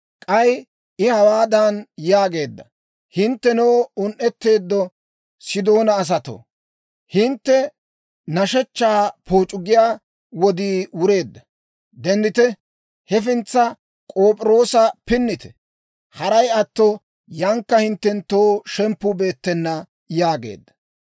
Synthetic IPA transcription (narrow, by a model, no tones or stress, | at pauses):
kʼɐj | ɪhɐwaːd̪ɐnjaːɡe̞ːd̪ːɐ | hɪnt̪ːɛnoːʊnʔɛt̪ːe̞ːd̪ːɔ | sɪd̪o̞ːnɐːs̬ɐt̪o̰ | hɪnt̪ːɛ | nɐʃɛt͡ʃːaːpoːt͡ʃʼʊɡɪjaː | wɔd̪iːwʊɾe̞ːd̪ːɐ | d̪ɛnd̪ɪt̪ɛ | hɛfɪnt͡sːɐ | kʼoːpʼɪɾo̞ːsɐpɪnːɪt̪ɛ̥ | hɐɾɐjɐt̪ːɔ | jɐŋkːɐhɪnt̪ːɛnt̪ːoːʃɛmpːʊbe̞ːt̪ːɛnːɐ | jaːɡe̞̰ːd̪ːɐ̥